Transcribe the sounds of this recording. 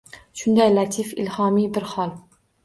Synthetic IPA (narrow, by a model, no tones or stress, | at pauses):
ʃʊnd̪ajlat̪ʰifɪ̰lhɒmibɪɾhɒlˠ